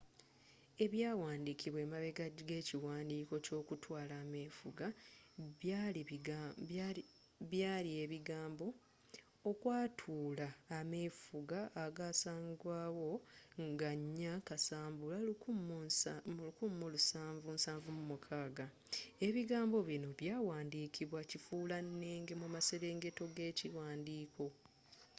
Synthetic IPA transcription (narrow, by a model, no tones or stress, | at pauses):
e̞βjaːwaːndikiβwe̞ːmaβe̞ɡaɡe̞ːciwaːndiːko̞co̞ːkutʰwaːlaːme̞ːfuɡaβjali | βjaːlie̞βiɡaːmbo̞ | okwaːtʰuːlaːme̞ːfuɡaʔːɡaːsaːŋɡwaːwo̞ŋɡaɲːakasaːmbula | lukumːulusaːɱvunsaːɱvumumukʰaːɡa | e̞βiɡaːmbo̞βino̞βjaːwaːndiːkʰiβwacifuːlanːeːŋɡe̞mumaseɾe̞ːŋɡe̞to̞ɡe̞ːciwaːndiːkʰo̞